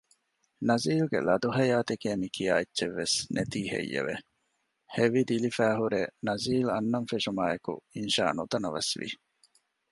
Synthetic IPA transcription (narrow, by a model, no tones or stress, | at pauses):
nɐziːlɡḛlɐd̪uɦɐjaːt̪ekeːmikʰija̰ːetːt͡ʃeʋːesnʔet̪iːhḛjːḛʋḛ | heʋid̪ilifæːɦuɾenɐziːlɐnːɐnfeʃumaːekṵinʃa̰ːnut̪ɐnɐʋɐ̰sʋḭ